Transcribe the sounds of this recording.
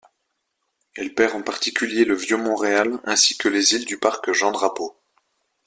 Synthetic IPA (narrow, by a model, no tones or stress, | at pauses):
ɛlpɛʁɑ̃paʁt̪ikʲʰyljeləvjømɔ̃ʁealɛ̃si̥kəlezild̪ypaʁkʒɑ̃d̪ʁapo